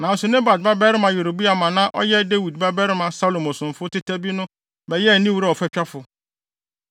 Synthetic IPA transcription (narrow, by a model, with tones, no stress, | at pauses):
nã˨n̩˦sʊ˨nẽ˦ba˨d̚ba˦bɛ˦ɾɪ˦mã˨je˨ɾo˨bi˦a˨mã˨nã˦ʔɔ̰˦jɛ˦de˦wi˨dba˦bɛ˦ɾɪ˦mã˨sa˦lo˨mɔ˨sʊ̃˨m˨fʊ˦tɪ˦tʰɛ˦bi˦nʊ̃˦ | bɛ˨jɛ˦˨nĩ˦wu˨ɾa˦˨ɔ˨fɛ˦t͡ɕᶣa˦fʊ˨